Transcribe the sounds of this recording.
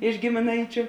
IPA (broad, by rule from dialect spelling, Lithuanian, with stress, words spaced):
ɪʃ ɡʲɪmʲɪˈnɐɪt͡ʃʲʊ